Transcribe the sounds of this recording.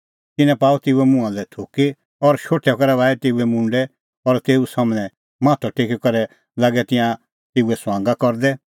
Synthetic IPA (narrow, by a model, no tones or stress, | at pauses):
t̪ɪnɛ̃paːut̪eːuɛmʊ̃ãlɛt̪ʰoːke | ɔɾʃoːʈʰɛkɔɾɛʋaːɛt̪eːuɛmʊ̃ɳɖɛ | ɔɾt̪eːusamɽ̃ɛ̃ | mãːt̪ʰɔʈʰekikɔɾɛ | laːɡɛt̪ɪ̃jã | t̪eːuɛsʋãːŋɡakɔɾd̪ɛ